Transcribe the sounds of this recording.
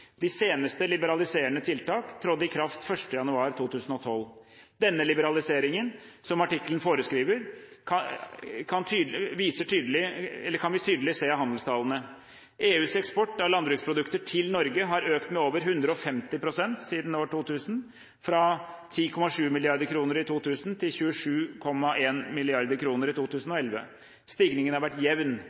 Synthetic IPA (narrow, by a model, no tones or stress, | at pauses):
d̪ɪseːnəst̪əlɪbəɾɑlɪseːəɳət̪ʰɪlt̪ɑːkt̪ʰɾɔd̪ɪkʰɾɑft̪fœʂʈəjɑnʉɑːɾt̪ʰuːt̪ʰʉːsn̩ɔt̪ʰɔl | d̪ɛnːəlɪbəɾɑlɪseːɾɪŋən | sɔmɑʈɪkːlənfoːɾəskɾiːʋəɾkʰɑkʰɑnt̪ʰyːʋiːsəʈʰyːd̪lɪɛlːəɾkʰɑnʋɪt̪ʰyːd̪əlɪseːhɑnd̪lst̪ʰɑːlənə | ʔeːʉːsɛkspɔʈːɑʋlɑnbɾʉːkspʰɾʊd̪ʉkt̪əʈʰɪlnɔɾɡəɦɑɾøːkt̪mɛoːʋəɾɦʉnd̪ɾəɔfɛmt̪ɪpʰɾʊsɛnt̪siːd̪n̩oːʈuːt̪ʰʉːsən | fɾɑt̪ʰiːkʰɔmːɑʂʉːmɪlɪɑɾd̪əɾkʰɾuːnəɾɪt̪ʰuːt̪ʰʉːsənt̪ʰɪlçʉːəʂʉːkʰɔmːɑʔeːnmɪlɪɑɾd̪əɾkʰɾuːnəɾɪt̪uːt̪ʉːsn̩ɔɛlʋə̰ | st̪ɪɡnɪŋənhɑɾʋæʈːjɛʋn